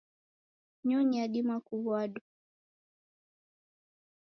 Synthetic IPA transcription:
ɲɔɲiaɗimakuβwaɗu

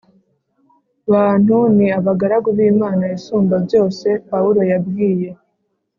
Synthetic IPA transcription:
βaːn̥huniaβaɡaɾaɡuβiːmaːnaisuːmbabɟo̞ːse̞pauɾo̞jab̚ɡiːje̞

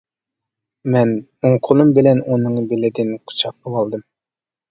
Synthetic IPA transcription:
mɛn | uŋqʰʊlˠumbɪlɛnunɨŋbɪlɪd̪ɪnqʰʊ̥t͡ʃʰɑq̚bolɑlˠd̪ɨm

